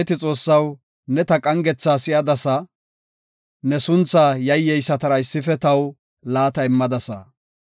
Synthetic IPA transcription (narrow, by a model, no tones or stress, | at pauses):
t̪ɪt͡sʼo̞ːsːɐw | nɛt̪ɐkʼɐŋɡɛt͡sːaːsɪjɐd̪ɐsɐ | nɛsʊnt͡sːajɐjːɛjsɐt̪ɐɾɐɪsːɪfɛt̪ɐw | laːt̪ɐɪmːɐd̪ɐsɐ̰